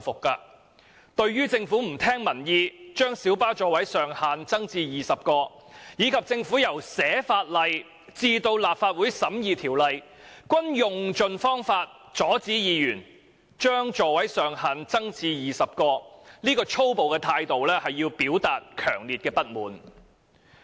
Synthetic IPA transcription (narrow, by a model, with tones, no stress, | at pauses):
fʊ˨˩kkɐː˧ | t̪ɵ˧ɥɥyː˥t͡sɪ˧ŋfu˨˥m̩˨˩t̪ʰɛː˥ŋmɐ˨˩njiː˧t͡ʃœː˥ŋsiː˨˥wpaː˥t͡ʃɔː˨wɐ˨˥jsœː˨ŋhaː˨nt͡sɐ˥ŋt͡siː˧jiː˨˩sɐ˨p̚kɔː˧jiː˨˧kʰɐ˨p̚t͡sɪ˧ŋfuː˨˥jɐ˨˩wsɛː˨˥faː˧t̚lɐ˨j | t͡siː˧t̪o˧wlaː˨p̚faː˧t̚wu˨˥jsɐ˨˥mjiː˨˧t̪ʰiː˨˩wlɐ˨j | kʷɐ˥njʊ˨ŋt͡ʃɵ˨˧nfɔː˥ŋfaː˧t̚ | t͡sɔː˨˥t͡siː˨˥jiː˨˧jyː˨˩n | t͡ʃœː˥ŋt͡ʃɔː˨wɐ˨˥jsœː˨˩ŋhaː˨nt͡sɐ˥ŋt͡siː˧jiː˨˩sɐ˨p̚kɔː˧niː˥kɔː˧t͡ʃʰo˥wpo˨wkɛː˧t̪ʰaː˧jt̪o˨wlɛː˥hɐ˨jːiː˧wpiː˨˥wt̪aː˨t̚kʰœː˨˩ŋliː˨t̚kɛː˧pɐ˥t̚muː˨˥n